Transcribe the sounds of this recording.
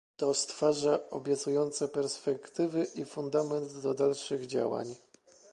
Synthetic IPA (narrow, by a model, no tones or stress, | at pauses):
t̪ɔst̪faʐaɔbʲjɛt̪sujɔnt̪sɛpɛɾspɛkt̪ɘvɘʔifund̪amɛnd̪ːɔd̪alʂɘɣd͡ʑa̰wa̰ɲ